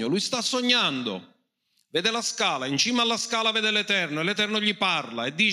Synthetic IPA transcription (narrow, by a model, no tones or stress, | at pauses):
olujst̪asːoɲːand̪ʊ̰ | vɛːd̪ɪlaskaːlaint͡ʃiːmalːaskaːlavɛːd̪ɪlɛt̪ɛrnoelɛt̪ɛrnʊʎiparlaed̪ːiː